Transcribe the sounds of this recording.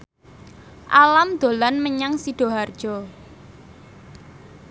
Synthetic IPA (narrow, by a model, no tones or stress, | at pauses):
ʔalamd̪̥o̤lanməɲaŋsiɖ̥ɔ̤ɦard̥ʒ̥ɔ